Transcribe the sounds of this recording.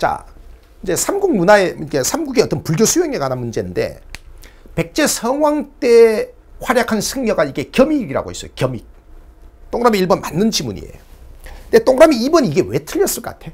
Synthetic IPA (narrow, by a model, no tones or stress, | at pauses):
t͡ɕa̰ | ind͡ʑe̞sʰamɡuk̚munaeikesʰamɡuɡeʌt͈ʌnpuɭɡjosʰujeŋeɡananmund͡ʑe̞nɯnde̞̰ | pe̞k̚t͡ɕ͈e̞sʰʌŋɦwaŋt͈e̞ | ɸwaɾjakʰansʰɯŋɲʌɡaiɡe̞kjʌmiːɡiɾa̰ɡo̰is͈ʌjokjʌmi | t͈oŋɾamiiɭbʌnmanːɯnd͡ʑimuɲḭḛjonde̞t͈oŋɾamiːbʌniiɡe̞we̞tʰɯʎːʌs͈ɯɭk͈ʌk͈atʰe̞jo